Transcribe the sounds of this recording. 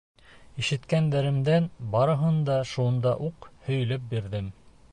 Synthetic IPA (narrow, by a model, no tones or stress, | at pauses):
iʃɘ̆t̪kænd̪æɾɘ̆md̪ænbɑɾɤ̆ɦɤnd̪ɑʃund̪ɑʔuqhɵ̆jɘ̆lɘp̚biɾðɘm